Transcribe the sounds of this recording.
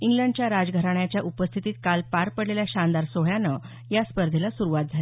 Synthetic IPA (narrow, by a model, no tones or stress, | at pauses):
iŋɡləɳɖt͡ɕjaɾad͡zɡʱəɾaɳjat͡ɕjaʔupəst̪ʰit̪iːt̪̚kalpaɾpəɽleljaɕand̪aɾsoɦɭjanə | jaspəɾd̪ʱelasuɾuʋat̪̚d͡zʱal